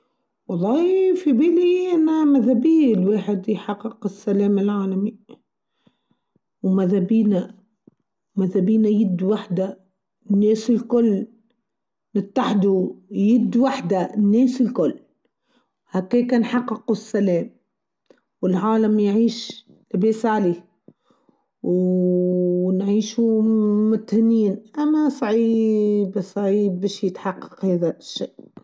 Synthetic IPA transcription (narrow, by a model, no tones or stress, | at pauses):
wɑlˤːɑːfibiːliʔanːamaðabiːlweːħɪd̪jħɑqːɪqɪsːaleːmɪlʕaːlami | wmaðabiːna | maðabiːnajɪd̪ːwaħd̪a | nːeːsɪlkʊlː | nɪt̪ːaħd̪ujɪd̪ːwaħd̪anːeːsɪlkʊlː | hakːeːkanħɑqːɨqwɪsːaleːm | wɪlʕaːlamjʕiːʃ | lɪbeːsʕaleː | w | nʕiːʃumʊt̪hɪniːnʔamːasˤɑʕiːbsˤɑʕiːb̚ːeːʃjɪt̪ħɑqːɑ̥qheːðaʃːeʔ